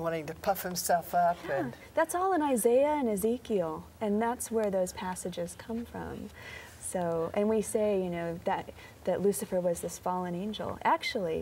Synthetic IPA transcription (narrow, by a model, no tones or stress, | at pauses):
wɑ̃ɾ̃ɪ̃ŋtɨpʰʌfhɨ̃msɛlˠfʌpɨ̃n | ðætsɔlˠə̃naɪzeɪɨɨ̃nɨzikil̩ˠɨ̃nðætswə˞ðoʊz̥pʰæsɨd͡ʒɨz̥kʰʌ̃ɱfɹʌ̰̃m | soʊʔɨ̃nwiseɪjɨnoʊðɨt̪̚ | ðɨʔˡlʉsɨfə˞wʌzðɨsfɑlˠə̃nẽɪ̃nd͡ʒl̩ˠæk̚t͡ʃul̩ˠḭ